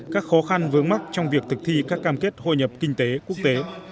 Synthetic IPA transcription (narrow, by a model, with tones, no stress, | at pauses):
kaː˦˥k̚xɔ˨˦xa˧nvɨ˨˦əŋma˦˥k̚t͡ɕɔ˧wŋ͡mvi˨˩ək̚t̪ʰɨ˨˩k̚t̪ʰi˧kaː˦˥kːaː˧mke˦˥t̚ho̰˧˨jɲə˨˩p̚kï˧ŋ̟t̪e˨˦ku˦˥ək̚t̪e˨˦